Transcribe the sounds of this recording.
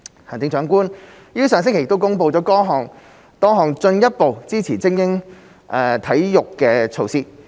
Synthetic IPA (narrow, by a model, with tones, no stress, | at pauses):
haː˨˩nt͡sɪ˨˥ŋt͡ʃœː˨˥ŋkuː˥n | jiː˥sœː˨˧ŋsɪ˥ŋkʰe˨˩j̚t̪wkʊ˥ŋpo˧wt͡sɔː˨˥kɔː˥ɦɔː˨˧ŋ | t̪ɔː˥ŋɦɔː˨˩ŋt͡ʃɵ˧njɐ˥t̚po˨wt͡siː˥t͡sʰiː˨˩t͡sɪ˥ŋjɪ˥ŋ | ʔɛː˧t̪ʰɐ˨˥jjʊ˨kːɛː˧t͡sʰo˧wsiː˧˥